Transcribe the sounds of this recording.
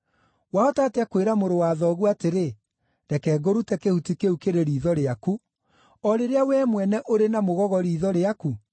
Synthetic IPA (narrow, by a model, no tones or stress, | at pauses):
waotaːteakweɾamoɾowaːðɔɣuateɾe | ɾɛkɛːɡoɾutɛkehutikeukeɾeɾiːðɔɾeaku | ɔɾeɾeawɛːmwɛnɛʔoɾenamoɣɔɣɔɾiːðɔɾeaku